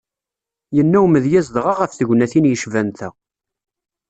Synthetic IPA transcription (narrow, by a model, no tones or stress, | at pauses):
jənːæwməðjæzd̪ʁɑʁəfθəʝnæθinjəʃvænt̪æ